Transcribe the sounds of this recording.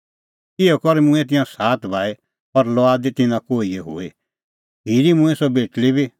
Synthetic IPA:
ɪɔkɔɾemʊ̃ɛ̃t̪̬ɪ̃jãsaːt̪ʰbʱaːe | pɐɾlɔaːd̪et̪ɪnãkoːieɦo̰ːe | ɦiːɾimũɛ̃sɔbeːʈlibʱi

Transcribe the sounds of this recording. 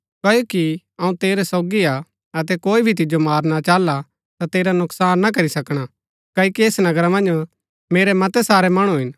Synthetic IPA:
kɐːjoːki | ɐũt̪eːɾɛsoːɡia | ɐt̪ɛkoːibʱit̪̬ɪd͡ʒomaːɾnat͡ʃaːla | t̪at̪eːɾanʊksaːnːak̬ɐɾisɐkɽ̃a | kɐːjkieːsnɐɡɾamɐ̃nd͡ʒ | meːɾɛmɐt̪ɛsaːɾɛmɐɽ̃ũɦɪn

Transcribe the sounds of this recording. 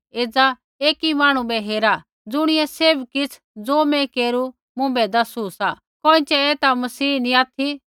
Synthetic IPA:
eːd͡za | eːkimaːɽ̃ũbɛɦeːɾa | d͡zʊɽ̃ɪɛseːbkɪt͡sʰ | d͡zoːmɛ̃keːɾu | mʊ̃bɛd̪ɐsusa | koːɪ̃t͡ʃɛɛːt̪amɐsiːniaːt̪ʰi

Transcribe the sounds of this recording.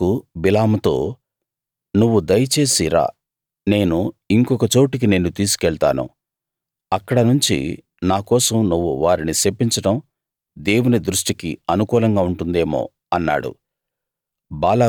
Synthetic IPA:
ubilaːmut̪o̞ː | nuʋːud̪ɐjɐt͡ʃe̞ːsiɾa̰ː | ne̞ːnuiŋkɔkɐt͡ʃo̞ːʈik̬ine̞ːnːut̪iːsu̥kɛɭt̪a̰ːnṵ | ɐkːɐɽɐnuɲt͡ʃḭ | naːkɔːsɐmnuʋːuʋaːɾinisepːiɲt͡ʃɐɽɐm | d̪e̞ːwunid̪ɾuʂʈikiɐnukuːlɐŋɡaːuɳʈund̪e̞ːmo̰ː | ɐnːa̰ːɽṵ | baːlaː

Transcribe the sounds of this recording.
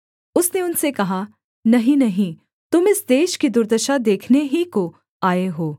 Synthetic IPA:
ʊsneʊnsekɐɦa | nɐɦĩnɐɦĩ | t̪ʊmɪsd̪eːʃkid̪ʊɾd̪əʃad̪eːkʰneɦiko | aːeɦoː

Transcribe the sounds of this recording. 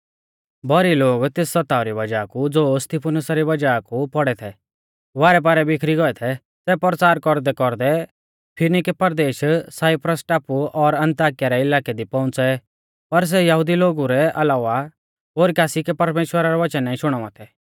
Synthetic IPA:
bɔɾiloːɡt̪esːɐt̪aːʊɾibɐd͡ʒaːkud͡zoːst̪ipʰʊnʊsaɾiʋɐd͡ʒaːkupɔɽɛt̪ʰɛ | ʋaːɾɛp̬aːɾɛbɪkʰɾiɡɔɛt̪ʰɛ | sɛpɾt͡saːɾkɔɾd̪ɛkɔɾd̪ɛ | pʰɪnikɛpɐɾd̪eːʃsaːɪpɾəsʈaːpuɔɾɐ̃nt̪aːkijaɾɛɪlaːkɛd̪ipɔ̃ʊ̃nt͡sɛ | pɐɾs̬ɛjɐɦʊd̪iloːɡuɾɛʔɐlaːʋa | ɦoːɾikaːsikɛpɐɾmeːʃwəɾaɾɔʋɐt͡ʃənːaːĩʃʊɽ̃ɔ̃ʋãt̪ʰɛ

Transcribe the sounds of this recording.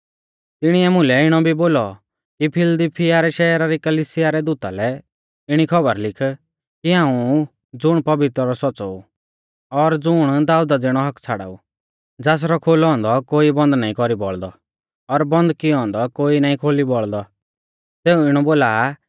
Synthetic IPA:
t̪ɪɽ̃iɛmʊ̃lɛɪɽ̃ɔbʱiboːlɔ | kipʰɪld̪ipʰiaɾɛʃɛːɾaɾikɐlisɪjaɾɛd̪ut̪alɛ | ɪɽ̃ikʰɔbəɾlɪkʰ | kiɦãːũ | d͡zʊɽ̃pɐbɪt̪ɾɔɾɔsɔt͡sɔ̰ṵ | ɔɾd͡zʊɽ̃d̪aːud̪ad͡zɪɽ̃ɔɦɐkt͡sʰaɽa̰ṵ | d͡zɛːs̬ɾɔkʰoːlɔ̃ːnd̪ɔkoːibɐ̃nd̪naːĩkɔɾibɔɭd̪ɔ | ɔɾbɐ̃nd̪kiɔ̃ːnd̪ɔkoːinaːĩkʰoːlibɔɭd̪ɔ | seːũɪɽ̃ɔboːlaː

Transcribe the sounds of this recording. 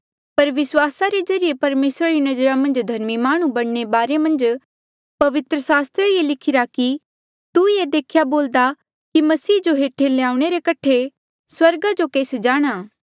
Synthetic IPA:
pɐɾʋɪswaːsaɾezɐɾɪjepɐɾmeːsɾaɾinɐd͡ʒɾamɐ̃nd͡ʒd̪ʱɐɾmimaːɽ̃ũbɐɽ̃nebaːɾemɐ̃nd͡ʒ | pɐʋɪt̪ɾəsaːst̪ɾəielɪkʰɪɾaki | t̪ujed̪eːkʰjaboːld̪a | kimɐsiːd͡ʒoɦeːʈʰeleaːũɽ̃eɾekɐʈʰːe | swɐɾɡad͡ʒokeːsd͡ʒaːɽ̃aː

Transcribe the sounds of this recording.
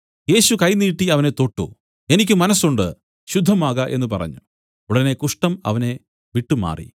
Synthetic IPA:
je̞ːɕukɐjniːʈːiɐʋɐne̞t̪o̞ʈːṵ | e̞nikʲːɨmɐnɐsuɳɖɨ | ɕud̪ʱːɐmaːɣɐʔe̞n̪ːɨpɐrɐ̰ɲːu | uɽɐne̞kuʂʈɐmɐ̰ʋɐne̞ | ʋiʈːuma̰ːrḭ

